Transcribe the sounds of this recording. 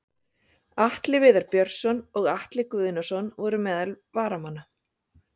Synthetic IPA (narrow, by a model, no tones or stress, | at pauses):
aht̪lɪvɪːðaɾpjœɾ̥sɔnɔɣaht̪lɪkʏːðɪnːasɔnvɔɾʏmɛːðal | vaːɾamanːa